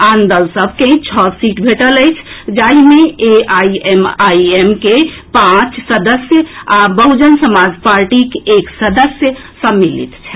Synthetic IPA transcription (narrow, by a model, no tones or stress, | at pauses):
and̪əlsəbʱkẽĩt͡ʃʰɔsiʈbʱeʈələɪt͡ʃʰd͡ʒaimeeaiemaiemkepãt͡ʃsəd̪əsjəabəɦud͡ʒənsəmad͡ʒpaɾʈikeksəd̪əsjə | səmːilḭt̪t͡ʃʰɛ